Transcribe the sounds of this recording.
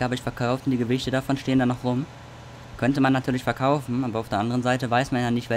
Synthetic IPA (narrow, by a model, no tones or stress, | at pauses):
aːbɪçfɛɐkʰaʊftʊntd̥iːɡəvɪçtədafɔnʃteːəndanːɔχʁʊm | kʰœntəmanːatʰyːɐlɪçfɛɐkʰaʊfn̩ʔaːbɐaʊfdeɐʔandəʁənzaɪtəvaɪsmanjadanːɪçtvɛ